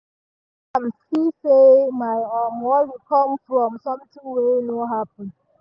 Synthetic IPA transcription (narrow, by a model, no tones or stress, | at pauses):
ãmsisemaɪɔmwɔtwikʰɔ̃mfɹɔ̃msɔ̃mtʰĩŋwenoɦapə̃n